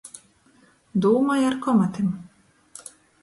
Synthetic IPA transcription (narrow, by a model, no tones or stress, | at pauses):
d̪uːmajaɾkɔmat̪im